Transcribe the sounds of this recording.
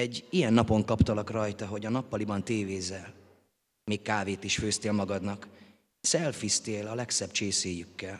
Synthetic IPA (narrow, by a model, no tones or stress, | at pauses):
ɛɟːijɛnːɒpo̞ŋkɒpt̪ɒlɒkrɒjt̪ɒɦo̞ɟɒnɒpːɒlibɒnt̪eːveːzɛl | meːkkaːveːt̪iʃføːst̪eːlmɒɡɒd̪nɒk | sɛlfist̪eːlɒlɛksɛb̥t͡ʃeːseːjykːɛl